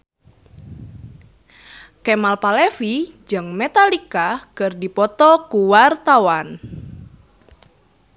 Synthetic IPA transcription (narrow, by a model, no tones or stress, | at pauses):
kɛmalpalefid͡ʒɨŋmet̪alikakərdipɔt̪ɔkuwart̪awan